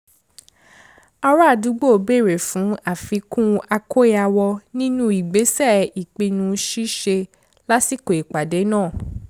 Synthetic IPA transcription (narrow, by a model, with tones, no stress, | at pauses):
a˧ɾɔ˦a˦˨du˨˦ɡ͡bo˦˨be˦˨ɾe˨fũ˨˦a˨fi˨˧kũ˦a˧kʰo˦e˦a˧wɔ˧nĩ˦nũ˦i˦˨ɡ͡be˨˦sɛ˦˨i˨k͡pĩ˧nũ˧˦ʃi˦ʃe˧ | la˦si˦˨ko˨i˨k͡pa˨de˨˦nãː˦˨